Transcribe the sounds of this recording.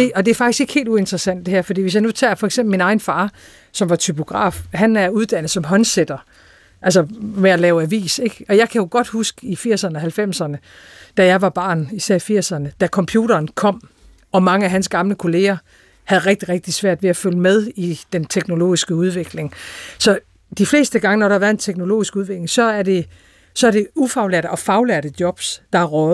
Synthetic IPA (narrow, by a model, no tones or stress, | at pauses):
de̝ɒ̽d̥e̝æɐfɑ̈ɡ̥isɡ̥e̝ɡ̥he̝̰ːldue̝nd̥ʁɐsæn̰d̥de̝hæɐ̰fɒd̥ḭːʋesjɑɪnut͡sʰɛ̰ːfɒ̽eɡ̥semb̥l̩minɑ̈ɪnfɑ̈ː | sɒ̽mʋɑ̈t͡sʰypʰo̝ɡ̥ʁɑ̰̈ːfhænæɐuðˠd̥æn̰ð̩ˠsɒ̽mɦɒ̽nsed̥ɐ | ʔæls̬ɒmeælɛːʊæʋḭːse̝ɡ̥ɒ̽jɑ̈ɪkʰæjo̝ɡ̥ɒ̽d̥husɡ̥ə̥ifiɐ̰sɐnəɒ̽hælfem̰sɐnəd̥æjɑ̈ɪʋɑ̈b̥ɑ̰̈ːnisæɐ̰ifiɐ̰sɐnəd̥ækʰɒ̽mpʰjuːɾɐːnkʰɒ̽m̰ | ɒ̽mɑ̈ŋəæɦænsɡ̥ɑ̈mləkʰo̝le̝ːɐ | hæðˠʁeɡ̥̚d̥iʁeɡ̥̚d̥isʋæɐ̰d̥ʋe̝æføləmeð̞ˠid̥ent͡sʰeɡ̥no̝lo̝̰ːisɡ̥əuð̞ˠʋe̝ɡ̥le̝ŋsɒ̽ | d̥ifle̝̰ːsd̥əɡ̥ɑ̈ŋənɒɾ̥ɑ̈ɑ̈ʋæɐðˠent͡sʰeɡ̥no̝lo̝̰ːisɡ̥uðˠʋe̝ɡ̥le̝ŋsɒ̽æɐd̥e̝ | sɒ̽æɐd̥e̝ufɑ̈ʊlæɐɾ̥ɒ̽fɑ̈ʊleɐɾ̥əd̥jɒ̽b̥sd̥ɑ̈æʁɔ